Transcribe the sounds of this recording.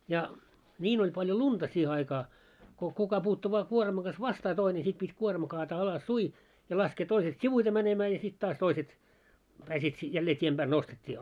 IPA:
jɑ nʲiːn olʲ pɑljo luntɑ siːhe ɑikɑː ko kukɑ puːtːu ʋɑː kuormɑŋ ɡ̊ɑs ʋɑstɑː toine sit pitʲ kuormɑ kɑːtɑː ɑlɑsːui jɑ lɑskeː toiset siʋuite mænemæː jɑ sit tɑːs toiset pæːsiːt jælːeː tʲiem b̥æːl nostetʲːiː

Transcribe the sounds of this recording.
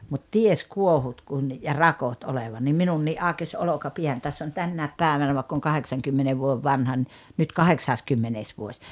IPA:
mut ties kuohut kun jɑ rɑkot oleʋɑ nim minunːiːʔ ʔɑˑokes olokɑpiæn tæsː on tænːæˑep pæˑeʋænæ ʋɑekː oŋ kɑheksɑŋkymːene ʋuoĕʋ ʋɑnhɑ ni nyt kɑheksɑskymːeneːs ʋuosʲ

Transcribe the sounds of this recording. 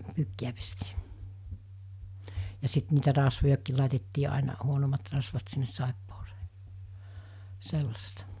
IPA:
pyːkːiæ pestiː jɑ sit niːtæ rɑsʋojɑkːiːl lɑˑitetːiː ɑˑinɑ huonomːɑt rɑsʋɑt sinːes sɑˑepːose̥ː selːɑstɑ

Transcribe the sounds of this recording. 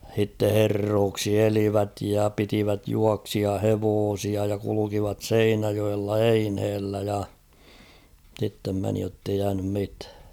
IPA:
h̞itːe herːoːksi eliʋæt jɑ pitiʋæt juɑksiɑheʋoːsiɑ jɑ kulukiʋɑt seinæjoelːɑ einhelːæ jɑ sitːem meni jotːei jæːnym mitæ̥ː

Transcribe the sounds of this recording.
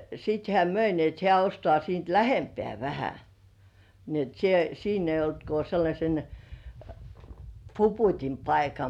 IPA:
sit hĕæˑ møi ni et hĕæˑ ostŏɑˑ siːnt læhempĕæˑ ʋæhæ ni et sie siːn ei olt ko selːɑsʲen puputʲim pɑikɑ

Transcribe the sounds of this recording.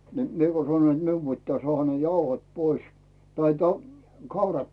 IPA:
ni miĕ ko sɑnoĭn t miu pitːæː sŏɑˑhɑ ne jɑuhot pois tɑi tɑ kɑurɑt

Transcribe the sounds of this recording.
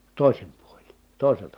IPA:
toˑisim puolʲin̞ toˑiseltɑ

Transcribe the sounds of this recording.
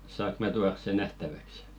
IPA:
sɑːk mæ tuɑrs̆ se næhtæʋæks

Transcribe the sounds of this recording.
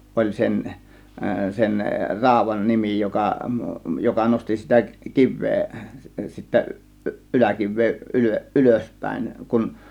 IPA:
ʔolʲ sen sen rɑˑo̝ʋˑɑn nimi jokɑ jokɑ nosti sitæ kiʋˑeː sitːæ ʔy ʔylækiʋˑeː ʔylø ʔyløspæˑe̝ŋ kun

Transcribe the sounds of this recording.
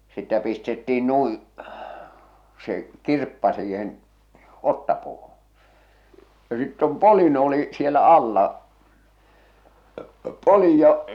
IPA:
sitːæ pistetːiːn nui se kirpːɑ siːhen otːɑpuːhũː jɑ sitː om polin oli sielæ ɑlːɑ polij jɑ

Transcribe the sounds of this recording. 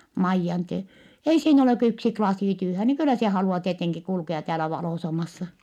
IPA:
mɑijːɑn tie ei siːn oleˑ kø yksi klɑsiˑ tyːhæ ni kylːæ se hɑluɑ tieteŋki kulkeɑ tæːlæ ʋɑloˑsɑmɑsːɑ

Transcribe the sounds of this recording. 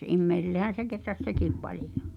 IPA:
imːeisilːehæn̞ se ketræs sekiˑp pɑlijo

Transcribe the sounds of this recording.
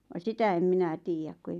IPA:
ʋɑ sitæ em minæ tiːjæk ku ei

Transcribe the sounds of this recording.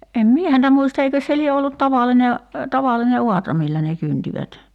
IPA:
em mie hæntæ muistɑ eikøs se lie olːut tɑʋɑline tɑʋɑlːine uɑtrɑ milːæ ne kyntiʋæt

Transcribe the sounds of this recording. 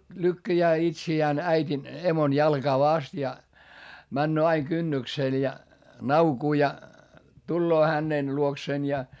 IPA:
lykːæjæː itsiæːn æitʲin emon jɑlɡ̊ɑː ʋɑst jɑ mænːøː ɑiŋ kynːykseˑl jɑ nɑukuː jɑ tulːoː hænen luokseːn jɑ

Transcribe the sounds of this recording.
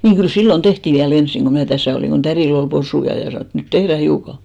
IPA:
niːŋ kyl silːon tehtiˑ ʋiæl ensiŋ ɡ̊o mnæˑ tæsæˑ oliˑŋ ɡ̊o tæriˑl ol posujɑ jɑ sɑnoˑ et nyt tehræ hiukɑ

